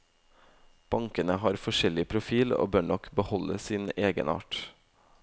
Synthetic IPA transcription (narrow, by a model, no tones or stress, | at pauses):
b̥ɑŋkənəhɑːɾfɔʃɛlɪpʰɾʊfiːlo̰ːbøːɳɔkbəhɔləsiːneːɡə̰nɑ̰ːʈ